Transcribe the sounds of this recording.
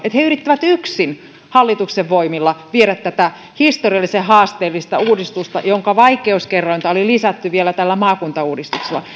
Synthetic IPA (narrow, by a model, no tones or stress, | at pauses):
et̪heyrit̪ːæʋæt̪yksin | hɑlːit̪ukseʋʋoimilːɑʋieɾæt̪t̪ːæt̪æ | hist̪oriɑlːisehɑːst̪eːlːist̪ɑuːdist̪ust̪ɑjoŋkɑʋɑikeuskerːoint̪ɑolilisæt̪ːyʋielæt̪ælːæmɑːkunt̪ɑuːdist̪ukselːɑ